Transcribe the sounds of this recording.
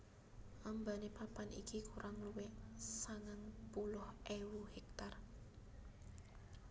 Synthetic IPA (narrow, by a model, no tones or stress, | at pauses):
ʔambanepapanḭkikuɾʔaŋluwesaŋanpulʊhʔewuhɛk̚t̪ar